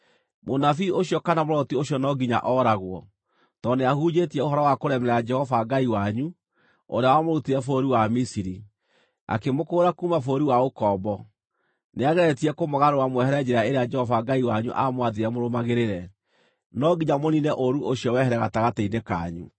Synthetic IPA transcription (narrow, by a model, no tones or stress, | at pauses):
monafiʔoɕjɔkanamoɾɔtioɕjɔnɔɡiɲa̰ʔɔɾaɣwɔ | tɔneahuːd͡ʒetiɛohɔɾɔwakoɾɛmɛɾɛad͡ʒɛhɔvaɡaiwaɲu | o̰ɾeawamoɾutiɾɛfoɾiwamisiɾi | a̰kemokoːɾakuːmafoɾiwaokɔbɔ | neaɣɛɾɛtiɛkomoɣaɾowamwɛhɛɾɛd͡ʒɛɾaeɾead͡ʒɛhɔvaɡaiwaɲṵʔamwaðeɾɛmoɾomaɣeɾeɾɛ | nɔɡiɲamoninɛʔoɾuʔoɕiɔwɛɦɛɾɛɣataɣateineka̰ɲṵ